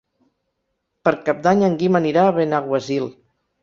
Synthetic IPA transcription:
pəɾkap̚d̪aɲəŋɡiməniɾaːβenaɣwəzilˠ

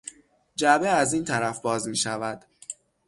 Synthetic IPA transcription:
d͡ʒæbeæziːnt̪ʰæɾæfbɒːzmiːʃævæd̪̥

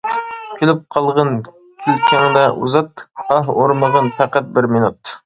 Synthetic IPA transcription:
kʲʰylɪp̚qʰɑlˠʁɑn | kʲʰilt͡ʃʰɛŋd̪ɛʔuzɑt̪ɑɦoɾməʁənpʰæqæt̪̚bɪɾminut̪̚

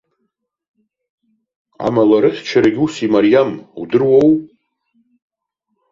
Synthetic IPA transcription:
a̰malaɾɨχʲt͡ʃʰaɾaɡʲusimaɾijamudɨrwow

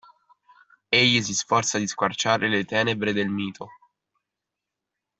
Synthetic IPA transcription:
eʎːis̬isfɔrt̪sad̪iskwart͡ʃaːɾelet̪ɛːnebɾed̪elmiːt̪ʰo

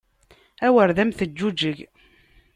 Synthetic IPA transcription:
æwəɾðæmθəd͡ʒːud͡ʒəʝ

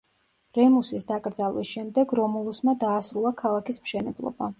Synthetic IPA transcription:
ɾɛmusisd̪akʼɾd̪zalˠwisʃɛmd̪ɛɡɾɔmulˠusmad̪aːsɾulˠakʰalˠakismʃɛnɛblˠɔ̰ba

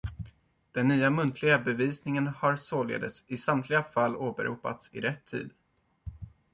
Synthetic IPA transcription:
d̪̥ɛnːyːamɵnt̪ʰlɪɡabɛviːsnɪŋənhaɾsoːlḛːd̪əsɪsamt̪ʰlɪɡafalːoːbɛ̰ɾʔṵːpa̰t̪sɪ̰ɾɛt̪ʰːḭːd̪

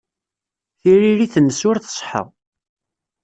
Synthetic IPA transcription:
θiɾiɾiθənːəsʊɾθə̥sˤħə̰ʁ

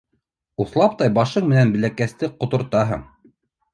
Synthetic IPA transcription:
uθlˠɑp̚t̪ɑjbɑʃɤɴmɘ̆nænbɘ̆lækæst̪ɘqŏt̪ŏɾt̪ɑɦɤ̰ɴ

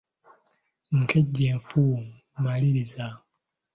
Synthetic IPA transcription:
ŋ̩kʰeɟːeːɱfu | maliɾiza

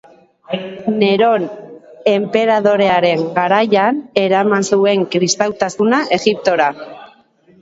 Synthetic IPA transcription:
ne̞ɾo̞ne̞mpe̞ɾað̞o̞ɾe̞aɾe̞ŋɡaɾajane̞ɾamansue̞ŋkɾist̪awt̪asunaʔe̞ɣip̚t̪o̞ɾa

